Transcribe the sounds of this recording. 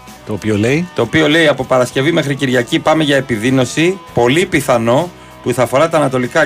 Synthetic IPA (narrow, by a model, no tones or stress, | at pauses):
t̪o̞ːpioleit̪o̞ːpio̞le̞iɐpo̞pɐɾɐsce̞vime̞xɾiciɾʝɐcipɐmeʝɐe̞piðino̞sipo̞lipiθɐno̞ | puθɐːfo̞ɾɐt̪ɐːnɐt̪o̞likɐ